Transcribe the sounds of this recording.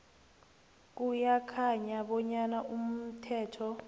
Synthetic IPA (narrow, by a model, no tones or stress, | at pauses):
k̬ujakʰaɲaɓɔɲanaʔum̩tʰɛːtʰɔ